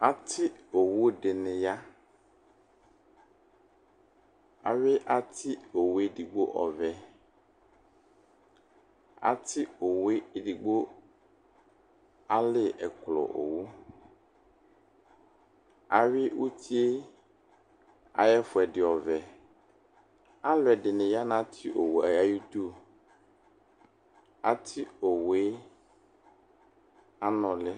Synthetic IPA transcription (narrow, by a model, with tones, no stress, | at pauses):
a˨t̪ʰɪ˦o˨wo˦ɖɪ˨nɪ̃˨ja˦ | a̰˨ɥɪ˦ʔa˦t̪ʰɪ˦o˨we˦di˨ɡ͡bo˦ʔɔ̰˨vɛ˨ | a̰˨t̪ʰɪ˦o˨we˦˨ɖi˨ɡ͡bo˦ | a˦lɪ˦ɛ˨klɔ̰˨ʔo̰˨wo˦ | a˨ɥɪ˦wʔu˦tʰi˦e˦ | a̰˨jɛ˦fʊ˨ɛ˨dɪ˨ɔ˨vɛ˨ | a˦lʊ˨ɛ˨dɪ˨nɪ̃˨ja˦nã˦tʰɪ˦ʔo˨wo˨a˨ja˦ji˦tu˦˨ | a̰˨tʰɪ˦o˨we˦ | a˦nɔ̃˨lɪ˦